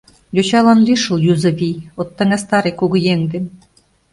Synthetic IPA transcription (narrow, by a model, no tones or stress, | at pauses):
jot͡ɕɑlˠɑnlʲiʃɤ̆lˠjuzɤ̆βʲijot̪ːɑ̆ŋæst̪ɑɾekuɣɤ̆jeŋd̪ĕn